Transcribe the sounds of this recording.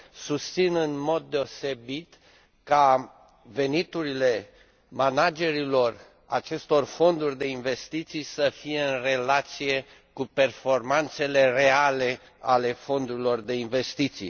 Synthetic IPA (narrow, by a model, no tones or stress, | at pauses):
sust̪sinɨnmo̞d̪̚ːe̞o̞se̞bit̪ | ka | ve̞nit̪uɾile̞ | manad͡ʒe̞ɾilo̞r | a̰t͡ʃe̞st̪o̞rfo̞nd̪urʲd̪e̞inve̞st̪it̪sijsəfije̞ɨnre̞lat̪sije̞ | kupe̞rfo̞rmant̪se̞le̞re̞ale̞ | ale̞fo̞nd̪uɾilo̞rd̪e̞inve̞st̪it̪sḭ